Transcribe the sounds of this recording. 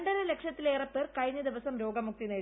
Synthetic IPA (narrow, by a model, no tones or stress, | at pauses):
ɳɖɐɾɐlekʂɐt̪ːileːrɐpːeːrkɐjɲːɐd̪iʋɐsɐmɾo̞ːɡɐmːuk̚t̪ine